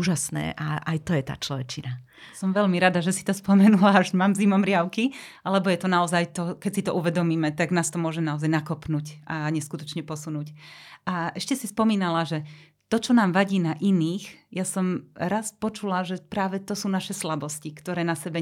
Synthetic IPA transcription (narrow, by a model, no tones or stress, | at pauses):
uːʒasnɛ̰ːʔaʔa̰jt̪ɔjɛt̪a̰ːt͡ʃlɔʋɛt͡ʃina | sɔmʋɛʎmiɾad̪aʒɛsi̥t̪ɔspɔmɛnulaʒmaːmzimɔmɾɪaʊkialɛbɔjɛt̪ɔnaɔzajt̪ɔkɛcsit̪ɔʔuʋɛd̪ɔmiːmɛt̪aɡnaːst̪ɔmʊɔʒɛnaɔzajnakɔpnuːcʔaɲɛskut̪ɔt͡ʃɲɛpɔsunuːcʔaʔɛʃcɛsispɔmiːnalaʒɛ | t̪ɔt͡ʃɔnaːmʋaɟiːnaʔiniːxjasɔmɾaspɔt͡ʃulaʒɛpɾaːʋɛt̪ɔsuːnaʃɛslabɔscikt̪ɔɾɛːnasɛbɛ